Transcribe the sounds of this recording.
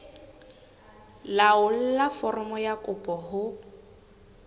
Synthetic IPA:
laʊl̩lafɔrɔmɔjakʼʊpʼɔhʊ

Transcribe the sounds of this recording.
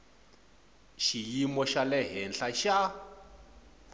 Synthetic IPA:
ʃijimɔʃalɛɦɛnɬaʃa

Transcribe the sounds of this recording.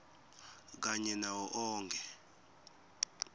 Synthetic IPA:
k̬aɲɛnawɔʔɔːŋkʰɛ

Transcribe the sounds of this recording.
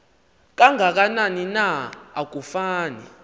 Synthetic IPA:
k̬ʼaŋʱak̬ananinaːk̬ufaːnḭ

